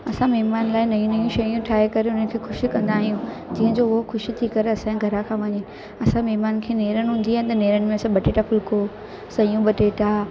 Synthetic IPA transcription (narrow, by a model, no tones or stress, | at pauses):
ɐsãmɐɦmaːnlaːɪnɐjũnɐjũʃɐjũʈʰaːekɐɾeʊn̤ənɪkʰeːxʊʃikɐ̃nd̪aːɦijũd͡ʑĩːɦə̃d͡ʑoːʊɦoxʊʃit̪ʰikɐɾeɐsãɡʱɐɾakʰãːʋɐɲɪnɪ̆ | ɐsãmɛɦmaːnkʰeːneːɾənɦʊ̃ːn̆d̪iaɪnɪt̪ɐneːɾənɪ̆mẽɐsãɓɐʈeʈafʊlkoː | sɐjũɓɐʈeʈʰaː